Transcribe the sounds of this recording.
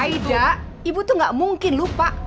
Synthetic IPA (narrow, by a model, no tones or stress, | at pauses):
aida | ibut̪uŋɡaʔmuŋkɪnlupaʔ